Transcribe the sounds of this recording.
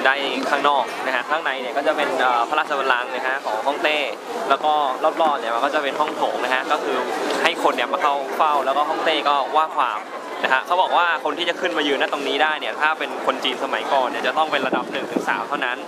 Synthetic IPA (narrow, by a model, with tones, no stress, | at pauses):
daː˥˩jkʰaː˥˩ŋnɔː˥˩k̚na˦˥kʰa˦˥kʰɾaː˦˥˩ŋna˩˦jni˥˩kɔː˥˩t͡ɕa˨˩pe˧nʔəː˨˩pʰa˧ɾaː˥˩t͡ɕʰa˧pʰa˧la˧ŋna˦˥kʰa˦˥kʰɔː˩˦ŋɦɔ˥˩ŋt̪eː˥˩ | lɛː˦˥wkɔː˥˩lɔː˥˩p̚lɔː˥˩p̚ni˥˩ma˧kɔː˥˩t͡ɕa˨˩pe˧nɦɔ˥˩ŋt̪ʰoː˩˦ŋna˦˥kʰa˦˥kɔː˥˩kʰɯː˧ha˥˩jkʰo˧nːi˥˩maː˧ka˥˩wfa˥˩wlɛː˦˥wkɔː˥˩ɦɔ˥˩ŋt̪eː˥˩kɔː˥˩waː˥˩kʰwaː˧m | na˦˥kʰa˦˥kʰa˦˥wbɔː˨˩k̚waː˥˩kʰo˧nt̪ʰiː˥˩t͡ɕa˨˩kʰɯ˥˩nmaː˧jɯː˧˩naː˥˩t̪o˧ŋniː˦˥daː˥˩jni˥˩ɐt̪ʰaː˥˩pe˧nkʰo˧nt͡ɕiː˧nsa˧ma˩˦jkɔː˨˩nːi˧˩t͡ɕa˨˩t̪ɔ˥˩ŋpe˧nɾa˧da˨˩p̚nɯ˨˩ŋt̪ʰɯ˩˦ŋsa̰ː˩˦mt̪ʰa˥˩wna˦˥n